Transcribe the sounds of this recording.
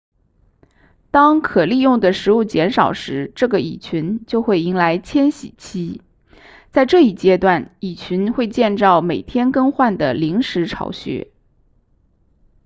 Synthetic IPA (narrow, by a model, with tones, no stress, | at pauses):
t̪ɑ˥ŋkʰɤ˨˩li˥˧jʊ˥˩ŋd̪ə˩ʂɻ̩˧˥u˥˩t͡ɕjɛ˧˥nʂɑ˨˩ʊʂɻ̩˧˥ʈ͡ʂɤ˥˩ɡə˩ḭ˨˩t͡ɕʰy˧˥nt͡ɕjo˥˧ʊxwe˥˩ɪi˧˥ŋla˧˥ɪt͡ɕʰjɛ˥nɕḭ˨˩t͡ɕʰi˥ | t͡sa˥˧ɪʈ͡ʂɤ˥˧i˥˩t͡ɕjɛ˥t̪wa˥˩ni˨˩t͡ɕʰy˧˥nxwe˥˧ɪt͡ɕjɛ˥˧nʈ͡ʂɑ˥˩ʊme˨˩ɪt̪ʰjɛ˥nkɤ˥ŋxwa˥˩nd̪ə˩li˧˥ŋʂɻ̩˧˥ʈ͡ʂʰɑ̰˧˥ʊɕɥɛ̰˧˥